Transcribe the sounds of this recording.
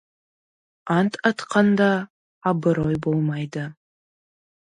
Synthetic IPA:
antʰatʰqʰɑnd̪aː | bɨɾojbolmajda

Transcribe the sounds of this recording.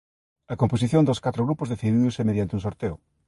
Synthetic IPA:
ɐkomposiθjõnd̪oskat̪ɾoɣɾupʊzðeθiðiðʊsemeðjant̪euŋsoɾt̪eʊ

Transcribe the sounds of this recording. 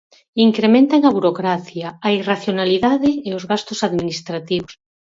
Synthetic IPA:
iŋkɾemẽnt̪aŋaβuɾokɾaθjaːiraθjonaliðaðɪːozɣast̪ʊsaðminist̪ɾat̪iβos

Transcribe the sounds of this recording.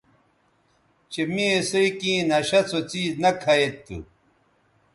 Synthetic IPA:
t͡ɕemiesoikĩːnɐɕɐt͡sʰot͡siːznɐkʰɐet̪ːṵ

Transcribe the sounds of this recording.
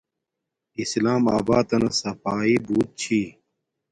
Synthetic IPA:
islaːma̰ːbaːt̪ɐnɐsɐpaːiːbuːt̪̚t͡ɕʰiː

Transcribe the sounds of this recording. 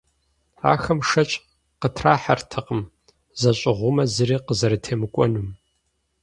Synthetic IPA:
a̰ːxɐmʂɐt͡ʃʼ | qətʰraːħartʰɨqəm | zɐɕʼɪʁʷʊmɐzɨriːqəzɐɾɨtʰeːmɨkʷʼɔnum

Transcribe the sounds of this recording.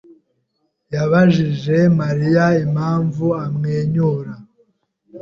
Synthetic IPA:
jaβaʒiʒe̞maɾijaemhaːɱvuamŋeːɲuːɾa

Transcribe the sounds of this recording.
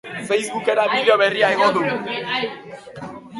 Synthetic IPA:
fejzβuke̞ɾaβiðeoβe̞riaeɣod̪u

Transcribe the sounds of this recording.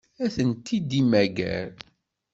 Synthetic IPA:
æθənt̪ːid̪imæɡæ̰ɾ

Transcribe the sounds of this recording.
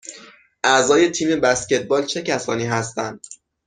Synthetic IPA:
ʔæzɒːje̞t̪ʰiːme̞bæsce̞t̪̚ʰbɒːlt͡ʃʰe̞cʰæsɒ̰ːniːɦæst̪ænd̪̥̚

